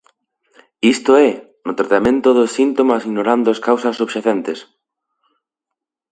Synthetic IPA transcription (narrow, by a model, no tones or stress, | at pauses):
ist̪oɛ | not̪ɾat̪amẽnt̪oðʊsint̪omasiɣnoɾand̪ʊaskawsɐsuβʃaθɛnt̪es